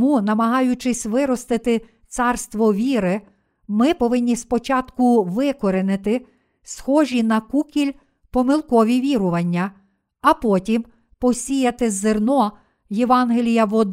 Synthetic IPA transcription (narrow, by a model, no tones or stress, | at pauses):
munɐmɐɦɑjʊt͡ʃɪsʲʋɪɾɔst̪ɪt̪ɪ | t̪sɑrst̪ʋɔʋʲiɾɪ | mɪpɔʋɪnʲːispɔt͡ʃɑt̪kʊʋɪkɔɾenɪt̪ɪ | sxɔʒʲinɐkukʲilʲ | pɔmɪlˠkɔʋʲiʋʲiɾʊʋɐnʲːɐ | ɐpɔtʲim | pɔsʲijɐt̪ɪzːernɔ | jeʋɑnɦelʲijɐʋɔd̪